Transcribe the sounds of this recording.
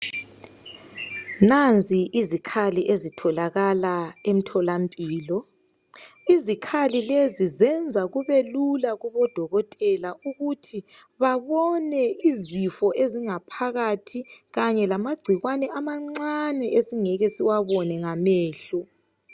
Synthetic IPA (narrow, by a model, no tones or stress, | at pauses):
nand͡zʱiʔizikʰaliʔezitʰɔlaɣalaem̩tʰɔlampʼiːlɔ | izikʰalilezizɛnd͡zʱaɣuβelulaɣuβɔd̥ʱɔɣɔtʼɛlauɣutʰi | βaβɔnɛizifɔʔeziŋapʰaɣatʰiɣaɲɛlamaɡ͡ǀʱiɣwanɛʔamaŋ͡ǀanɛʔesiŋɛɣɛsiwaβɔnɛŋamɛːɬɔ